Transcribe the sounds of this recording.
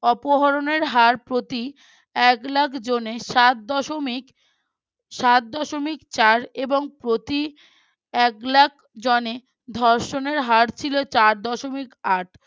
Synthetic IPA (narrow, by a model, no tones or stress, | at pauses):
ɔpoɦɔɾoneɾɦaɾpɾot̪i | ɛklakʰd͡ʑoneʃat̪̚d̪ɔʃomik | ʃat̪̚d̪ɔʃomikt͡ɕaɾeboŋpɾot̪i | ɛklak | d͡ʑɔne | d̪ʱɔɾʃoneɾɦaɾt͡ɕʰilot͡ɕaɾd̪ɔʃomikaʈʰ